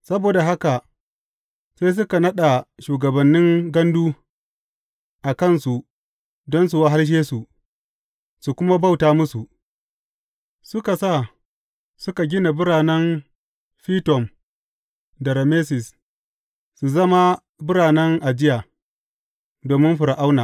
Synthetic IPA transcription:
sɐ˦boː˨da˨ɦa˦ka˨ | sa˦js̬ʊ˦ka˨nɐ˦ɗa˨ʃuː˨ɡɐ˨bɐ˨nːɪ˦ŋɡɐ˦nduː˦ | ʔa˨kɐ˦˨nsu˨ | dɔ˦ns̬u˨wa˦ɦa˦lʃ̬eː˦su˨ | su˨kʷʊ˦ma˦ba˦˨wtaː˦mʊ˦su˨ | sʊ˦ka˨sa˦˨ | sʊ˦ka˨ɡʲɪ˦na˨bʊ˦ɾaː˨nɛ˦n | ɸiː˦tɔ˨m | da˨ɾa˨meː˦s̬ɪ˨s | su˨zɐ˦ma˦ | bɪ˦ɾaː˨nɛ˦ŋʔa˨d͡ʒɪ˦jaː˨ | doː˨mɪ˦nɸʊ˨ɾa˨ʔa˦wnaː˨

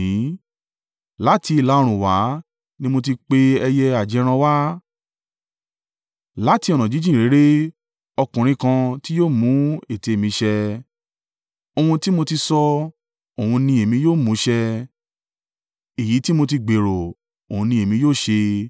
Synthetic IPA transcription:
la˦ti˧i˧˨la˧˦o˧ɾ̃ũ˨wa˨˦ | nĩ˦mo˧t̬i˧k͡pe˧ɛ˧jɛ˧a˨d͡ʒɛ˨˧˦ɾ̃ã˧wa˦ | la˦ti˧˦ɔ˨ñɔ̃˨d͡ʒi˨˦d͡ʒĩ˦˨ɾe˨˦ɾe˦ | ɔ˧kũ˨ɾ̃ĩ˧kã˧ti˦joː˦˨mũ˨˦e˦˨te˧˨mĩ˧ʃɛ˧ | o˧ũ˧ti˦mo˧ti˧sɔ˧ | o˨hũ˧nĩ˧e˨mĩ˧joː˦˨mũ˨˦ʃɛ˧ | i˨ji˨˦ti˦mo˧ti˧ɡ͡be˨ɾo˨ | o˨hũ˧nĩ˧e˨mĩ˧˦joː˦˨ʃe˧

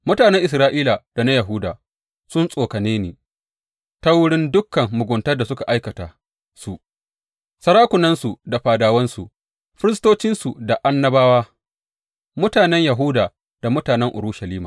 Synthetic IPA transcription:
mʊ˦taː˨nɛ˦ŋʔɪ˨s̬ɾaː˦ʔiː˦la˨d̥a˨na˦jɐ˨ɦʊ˦da̰ː˨ | sʊ˦nsʼoː˨kɐ˨neː˦neː˨ | ta˦wʊ˦ɽɪ˦ndʊ˦kːɐ˨ŋːʊ˨ɡʷʊ˨ntɐ˦rda˨sʊ˦ka˨ʔa˦jkɐ˨taː˨ | su˨ʔ | sɐ˦ɾaː˦kʷʊ˨nɐ˦nsu˨da˨ɸaː˨daː˨wɐ˦nsu˨ | ɸɪ˦ɾɪ˦s̬toː˦t͡ʃɪ˦nsu˨da˨ʔa˦nːɐ˦baː˦waː˦ | mʊ˦taː˨nɛ˦ɲjɐ˨ɦʊ˦daː˨ | d̥a˨mʊ˦taː˨nɛ˦ŋʔʊ̰˨ɾuː˦ʃɐ˨liː˦ma̰ː˨

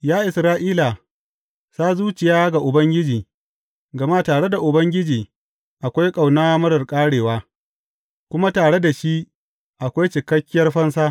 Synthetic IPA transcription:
jaː˦ʔɪ˨sɾaː˦ʔiː˦la˨ | saː˦zuː˦t͡ʃɪ˨jaː˦ɡa˨ʔʊ˨bɐ˦ŋɡʲɪ˦d͡ʒiː˨ | ɡɐ˨ma˦taː˨ɽe˦da˨ʔʊ˨bɐ˦ŋɡʲɪ˦d͡ʒiː˨ | ʔa˨kʷa˦jkʼa˨wnaː˦mɐ˦ɾɐ˨rkʼaː˦ɽeː˨waː˦ | kʷʊ˦ma˦taː˨ɽe˦da˨ʃi˦ | ʔa˨kʷa˦jt͡ʃɪ˨kɐ˦kʲːɪ˦jɐ˦rɸɐ˦nsaː˦

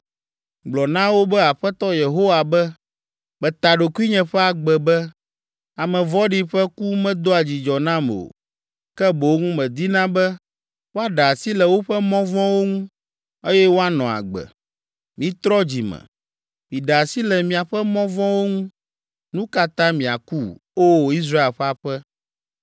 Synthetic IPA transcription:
ɡ͡blɔ˨nã˦wo˦bɛ˦a˨ɸɛ˦t̪ɔ˦je˨ɦo˦wa˨bɛ˦ | bɛ˨t̪a˨ɖo˨ki˦ɲɛ̃˨ɸɛ˦a˨ɡ͡bɛ˨bɛ˦ | a˨mɛ̃˨vɔ˦ɖi˦ɸɛ˦ku˦mɛ̃˦d̪o˦a˨d͡ʑi˨d͡ʒɔ˨nã˦m˨o̰˨ | kɛ˦bo˨o˦ŋũ˦mɛ̃˨d̪i˦nã˦bɛ˦ | wo˦a˦ɖa˨a˨si˦lɛ˨wo˦ɸɛ˦mɔ̃˦vɔ̃˦wo˦ŋũ˦ | e˦jɛ˦wo˦a˦nɔ̃˨a̰˨ɡ͡bɛ̰˨ | mĩ˨˦t̪ɾɔ˦d͡ʑi˨mɛ̰˨ | mĩ˨ɖa˨a˨si˦lɛ˨mĩ˨a˨ɸɛ˦mɔ̃˦vɔ̃˦wo˦ŋũ˦ | nũ˦ka˦t̪ã˦mĩ˨a̰˨ku˦o˦˨i˦s̬ɾa˦e˨lɸɛ˦a˨ɸɛ˦

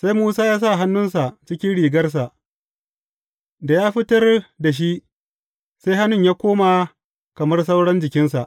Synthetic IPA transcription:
sa˦jmuː˦saː˦jaː˦s̬a˦˨ɦa˦nːʊ˦nsa˨t͡ʃɪ˦kʲɪ˦nɽiː˨ɡɐ˦rs̬a˨ʔ | da˨jaː˦ɸɪ˦tɐ˦rda˨ʃ̬i˦ʔ | sa˦jha˦nʊ˦˨ɲjaː˦kʷoː˦ma˨ | kɐ˨mɐ˦rs̬ɐ˦wɽɐ˦nd͡ʒɪ˨kʲɪ˦nsa˨ʔ

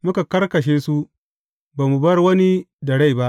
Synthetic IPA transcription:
mʊ˦ka˨kɐ˦rkɐ˨ʃ̬eː˦su˦ | baː˨mu˨bɐ˦rwɐ˦ni˦ | dɐ˨ɽa˦˨jba˦ʔ

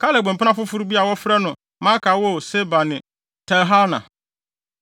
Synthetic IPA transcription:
kʰa˦lɛ˨ɡ͡bɛ̃˨pɪ˦nã˦fʊ˦fʊ˦ɾbi˦a˨wɔ˦fɾɛ˦nʊ̃˨ | mã˦kʰa˨˦wɔ˦˨se˦ba˨nɪ̃˨ | tʰɛ˨ɦa˦nã̰˨

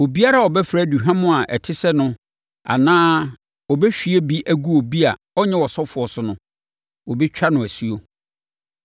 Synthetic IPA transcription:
o˨bi˦a˦ɾa˦˨ɔ˨bɛ˦fɾæ˦˨du˨ɦã˦mʊ̃˦a˨ʔɛ̰˨tʰɪ˦sɛ˦nʊ̃˦ | a̰˨nãː˦ | wɔ˨bɛ˦ɕᶣi˦e˦bi˦ʔæ˦ɡu˦o˨bi˦a˨ | ɔ˦ɲɛ̃˦wɔ˨sɔ˦fʊ˨ɔ˨sʊ˨˦nʊ̃˦ | wo˨bi˦t͡ɕᶣa˦nʊ̃˨æ˨si˦o˦

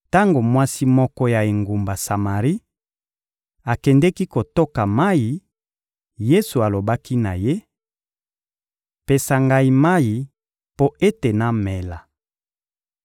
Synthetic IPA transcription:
ta˦ŋɡo˨mwa˦si˦mɔ˦kɔ˦ja˨e˨ŋɡu˨mba˨sa˨ma˨ʁi˦ | a˨kɛ˨ndɛ˦ki˦ko˨to˦ka˨ma˦ji˨ | je˦su˨a˨lo˨ba˦ki˦na̰˨je˦ | pe˨sa˨ŋɡa˦i˦ma˦ji˨ | po˦ʔe˦te˨na˨mɛ˨la˨

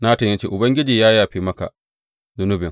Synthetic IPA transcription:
na˦tɐ˨jɐ˦nt͡ʃḛː˦ʔʊ˨bɐ˦ŋɡʲɪ˦d͡ʒiː˨jaː˦jaː˨ɸiː˦mɐ˦ka̰˨ | zʊ˨nʊ˦bɪ˨ŋ

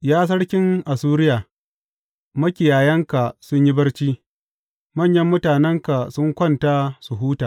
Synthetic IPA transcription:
jaː˦s̬ɐ˦ɽkʲɪ˦ŋʔa˨suː˦ɾɪ˦jaː˨ | mɐ˦kʲɪ˨jaː˨jɐ˦ŋka˨sʊ˦ɲji˦bɐ˦ɽt͡ʃiː˦ | mɐ˦˨ɲjɐ˦mːʊ˦taː˨nɛ˦ŋka˨sʊ˦ŋkʷɐ˦˨nta˦su˨ɦuː˦taː˨

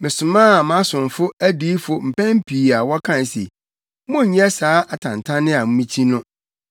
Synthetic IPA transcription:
mɪ̃˨sʊ˨mãː˦˨mã˦sʊ̃˨n˨fʊ˦æ˦diː˦fʊ˨m̩˨pɛ̃˦m˦pʰi˨a˨wɔ˦kʰã˦n˨sḛ˨˦ | mʊ̃˦ɲ̩˨ɲ˦ɛ˦saː˨˦ʔa˨tʰã˨n˨tʰã˦nɪ̃˦a˨m̩˦mĩ˦t͡ɕʰi˦nʊ̃˦

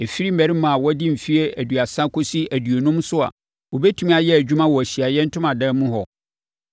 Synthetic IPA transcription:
e˨fi˦ɾi˦m̩˦ɛ˨ɾi˦mã˨wɔ˦dɪ̃˦m̩˨fi˦e˦ʔæ˨du˨a˨sã˦kʰo˦si˦æ˨dɥo˨nʊ̃˦msʊ˦a̰˨ | wo˨bɛ˦tʰũ˦m˦a˨jɛ˦æ˨d͡ʑᶣu˦mã˦wɔ˨æ˨ɕi˨a˨jɛ˦n̩˦tʰʊ̃˦mã˨dɛ̃˦mʊ̃˦ɦɔ˨

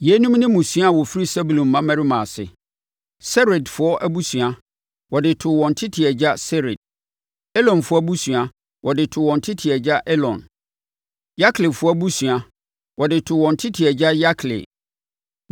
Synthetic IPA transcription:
jɛ˨˦nũ˦m˦nɪ̃˦mũ˨sɥa˦˨wɔ˨fi˦ɾi˦sɛ˦bu˨lõ˨mː˨ã˦mɛ̃˦ɾi˦mã˨sɪ̰˨ | sɛ˦ɾɪ˨dfʊ˦ɔ˦ʔæ˦bu˦sɥa˦ | wɔ˨dɪ˨tʰʊ˨wɔ̃˨n̩˨tʰɪ˦tʰɪ˨ɛ˨d͡ʑa˦sɛ˦ɾɪ̰˨d̚ | ɛ˦lɔ̃˨nfʊ˦ɔ˦bu˦su˨a˨ | wɔ˨dɪ˨tʰʊ˨wɔ̃˨n˨tʰɪ˦tʰɪ˨ɛ˨d͡ʑa˦ʔɛ˦lɔ̰̃˨n | ja˦kʰlɪ˨fʊ˦ɔ˦bu˦su˨a˨ | wɔ˨dɪ˨tʰʊ˨wɔ̃˨n̩˨tʰɪ˦tʰɪ˨ɛ˨d͡ʑa˦ja˦kʰlɪ̰˨

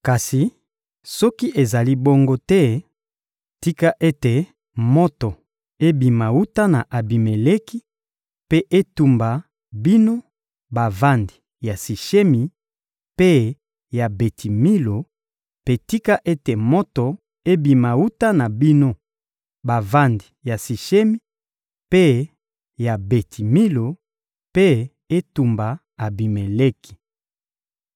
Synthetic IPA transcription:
ka˨si˨ | sɔ˦ki˦ʔe˨za˨li˦bo˦ŋɡo˦tɛ˦ | ti˦ka˦ʔe˦te˨ | mo˦to˨ | e˦bi˨ma˨wu˦ta˦na˨ʔa˨bi˨me˨le˦ki˦ | pe˦ʔe˦tu˨mba˨ | bi˦no˦ | ba˨va˦ndi˨ | ja˨si˨ʃe˦mi˨ | pe˦ | ja˨be˨tʰi˨mi˦lo˨ | pe˨ti˦ka˦ʔe˦te˨mo˦to˨ | e˦bi˨ma˨wu˦ta˦na˨bi˦no˦ | ba˨va˦ndi˨ja˨si˨ʃe˦mi˦ | pe˦ | ja˨be˨tʰi˨mi˦lo˨ | pe˦ | e˦tu˨mba˨ | a˨bi˨me˨le˦ki̥˨

